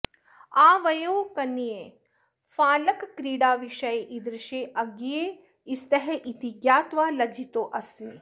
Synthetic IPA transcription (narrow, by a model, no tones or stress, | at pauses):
aːʋɐjoːkɐnijeː | faːlɐkkɾiːɽaːʋiʃɐjʔid̪ɾɪʃeːʔɐɡije | ist̪ɐɦɛʔit̪iɡjaːt̪ʋaːlɐd͡ʒʱit̪oːʔɐsi